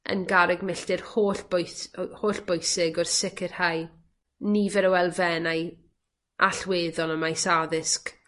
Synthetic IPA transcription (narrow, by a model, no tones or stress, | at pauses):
ə̰nɡaɾɛɡmɪɬtɪrhoːɬb̥ojhoːɬb̥ʊjsɪɡɔrsɪkʰɪrhaj | nivɛɾəwɛlˠvɛnaj | ʔaɬweːðɔlˠəmajsaðɪsk